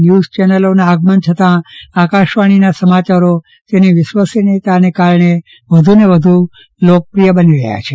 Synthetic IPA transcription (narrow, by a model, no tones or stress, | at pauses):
njuzt͡ʃɛnəlonaːɡmənt͡ʃʰət̪ãakaʃʋaɽ̃inasəmat͡ʃaɾo | t̪eniʋɪʃʋasinit̪anekaɾɳ̃e | ʋəd̪ʱuneʋəd̪ʱu | lok̚əpɾijəbəniɾə̰ja̰t͡ʃʰe